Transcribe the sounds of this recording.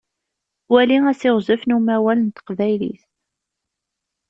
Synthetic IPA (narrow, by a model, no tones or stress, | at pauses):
wæliŋæsɪʁzəfnumæwælənt̪ə̥qvæjlḭθ